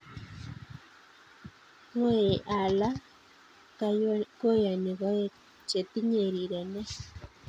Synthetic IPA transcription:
ŋe˦e˨ʔa˨la˦ | kako˦ja˨ni˨ɣa˦e˦ | t͡ʃe˨t̪i˦ɲe˨ɾi˨ɾe˨ne˦

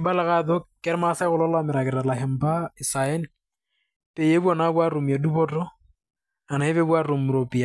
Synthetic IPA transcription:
ɪ˦ba˦la˦ɣa˦d̪ɔ˦kɛ˦ɾma˦sa˦ɣʊ˦lɔ˦lamɪ˨ɾa˨kɪ˨ɾa˨la˨hɪ˨m̩pa˦ɪ˨sa˨ɛ˦n̩ | pe˨je˦bu˦ɔ˨na˦bwa˦ɾo˨mi˨a˨du˦bɔ˦tɔ˦ | a˨na˨ɪ˦βe˦bwa˦ɾo˨m̩˨ɾo˨pʼi˨a˨

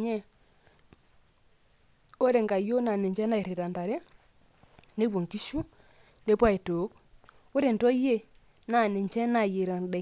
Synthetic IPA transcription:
ɲɛ˦ | o˦ɾe˨ŋɡa˨jo˦na˨ne˨ɲd͡ʒɛ˦na˦e˨ɾe˨ɾa˨nda˨ɾe˦ | ne˦wɔ˨ŋki˦ʃu˦ | ne˦pwa˦e˨to˨˦k | o˦ɾe˨ntɔ˦je˦ | na˨ne˨ɲt͡ʃɛ˦na˨je˨ɾa˨ndɛ˨

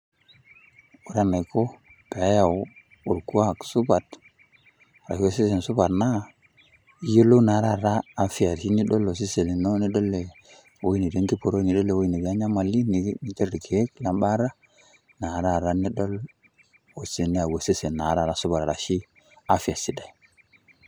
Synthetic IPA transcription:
u˨ɾa˦nːa˨jko˦ | pe˨a˦ja˨w | u˨ɾku˦a˦˨ksu˦ba˨t | ɾa˨˦we˦se˦se˨nsu˦ba˨tna˦ | jo˦lo˦na˨˦ɾa˦˨ɾaː˦fi˦a˨ɾʃi˦ni˦ɗo˦lo˨s̬i˦se˨li˨no˦ni˦do˦lːe˨ | wo˦i˦ni˨de˦ŋki˦po˨ɾo˦ni˨do˦le˨wo˦i˨ni˨ba˦ɲa˦ma˨li˦ni˨ni˨te˦ɾɾi˨ke˨e˦kla˨mba˦ɾa˦ | na˨ɾa˦˨ɾa˦ni˦do˦l | o˨si˨ni˦a˨we˨se˦se˨nːa˨ɾa˦˨ɾa˦su˦ba˨tɾa˨ʃi˦ | a˦fi˨a˨si˦da˨i˨

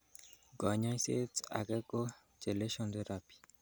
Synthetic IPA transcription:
ɡɔ˨ɲɔ˦se˦ta̰˨ɡɛ˦ɡo˦ | d͡ʒe˨le˦ʃɔ˨nte˦ɾa˨pi̥˨

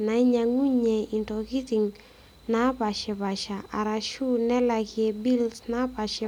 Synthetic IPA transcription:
na˨i˦ɲa˨ŋu˦ɲɛ˨i˨ntɔ˨ki˦ti˨ŋ | na˦pa˨ʃɛ˨pa˨ʃa˨ʔa˨ɾa˨ʃu˦nɛ˦la˨kɪ˨ɛ˨bi˦lsna˦pa˨ʃɪ˨˦

